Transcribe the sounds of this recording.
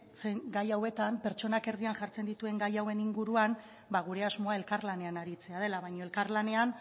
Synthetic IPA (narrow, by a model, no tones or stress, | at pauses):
t͡seŋɡajawe̞t̪ampe̞ɾt͡ʃo̞nake̞ɾðianʝaɾt͡se̞nd̪it̪ue̞ŋɡajawe̞niŋɡuɾuan | baɣ̞uɾe̞azmo̞ae̞lkaɾlane̞anaɾit͡se̞aðe̞laβajɲoelkaɾlane̞an